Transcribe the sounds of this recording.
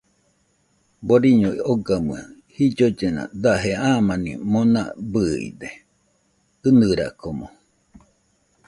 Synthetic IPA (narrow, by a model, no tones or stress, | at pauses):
boɾiɲoioɡamɨa | hid͡ʒod͡ʒena̰d̪aɦeaːmanḭmona̰bɨḭd̪e | ɨnɨɾa̰komo